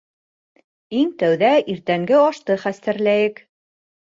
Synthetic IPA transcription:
iŋt̪æwðæiɾt̪æŋɡɘɑʃt̪ɤχæst̪æɾlæjɘk

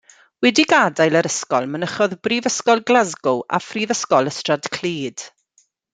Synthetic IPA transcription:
wɛdiɡadajlˠəɾəskɔlˠmənəχɔðbriːvəskɔlˠɡlˠazɡʊʔa̰friːvəskɔlˠəstrad̥kʰl̥iːd̥

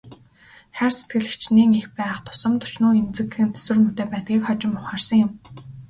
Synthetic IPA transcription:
χærse̥t̪ɡɘ̆ɮɘ̆kt͡ɕniːŋixpæ̆ːχt̪ʰʊ̥sɞ̆mt̪ʊ̥t͡ɕnuːemt͡sɘ̆kɘ̆nt͡s̪ʰe̥swɘ̆rmut̪eːpæːt̪̚ɡʲiːkχɔt͡ɕɪ̆mʊχaːrsə̆ŋjʊm

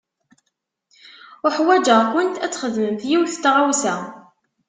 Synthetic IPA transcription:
ʊħwæd͡ʒəʁkʊnt̪æt͡sːχəðməmθjiwθt̪ːʁawsæ

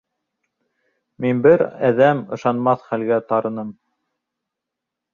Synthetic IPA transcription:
minbɘɾæðæmɤ̆ʃɑnmɑθχælɡæt̪ɑɾɤ̆nɤm

